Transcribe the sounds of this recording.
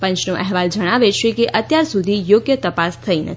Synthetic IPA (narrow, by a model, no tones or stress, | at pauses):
pə̃ɲt͡ʃnõʔɛɦʋald͡ʒəɽ̃aʋet͡ʃʰekeʔət̪jaɾsud̪ʱijoɡjət̪əpast̪ʰəinə̰t̪ʰi